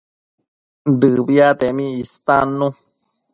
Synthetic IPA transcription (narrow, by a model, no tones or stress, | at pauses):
d̪ɨbiat̪emĩist̪anũ